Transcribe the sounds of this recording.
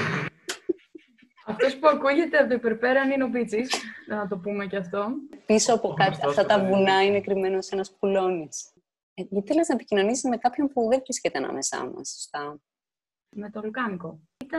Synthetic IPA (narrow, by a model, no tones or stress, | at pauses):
ɐft̪o̞spuɐkuʝe̞t̪e̞ɐt̪oipeɾpeɾɐnino̞pit͡sisnɐt̪o̞pumecɐft̪o̞pisoɐpokɐt̪ɐft̪ɐt̪ɐvunɐineɐkɾime̞nose̞nɐspulo̞nis | eiθeleznɐepicino̞nisizme̞kɐpço̞mpuðevɾiscet̪eɐnɐ̰me̞sɐ̰mɐ̰sːo̥st̪ɐ | me̞t̪olukɐŋko | it̪ɐ